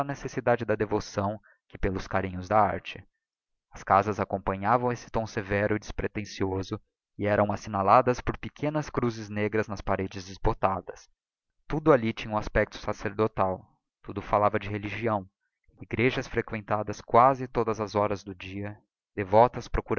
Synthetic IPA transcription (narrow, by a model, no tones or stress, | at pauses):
ɐnesesid̪ad͡ʒɪd̪ɐd̪evosɐ̃w̃ | kɪpelʊskaɾĩɲʊzd̪ɐa̰ɾt͡ʃɪ | ɐskazɐzakõmpɐ̃ɲavɐ̃w̃esɪ̥t̪õw̃sevɛɾʊɪd͡ʒɪspɾet̪ẽsiozʊ | ɪɛɾɐ̃w̃asinalad̪ɐspoɾpɪkʰẽnɐskɾuzɪzneɡɾɐznɐspaɾed͡ʒɪzd͡ʒɪzbot̪ad̪ɐs | t̪ud̪ʊalit͡ʃĩɲɐ̃w̃aspɛk̚t̪ʊ̥saseɾd̪ot̪aw | t̪ud̪ʊfalavɐd͡ʒɪɦeliʒiɐ̃w̃ | iɡɾeʒɐsfɾekwẽnt̪ad̪ɐskwazɪt̪od̪ɐzɐzɔɾɐzd̪ʊd͡ʒiɐ | d̪evɔt̪ɐspɾokuɾ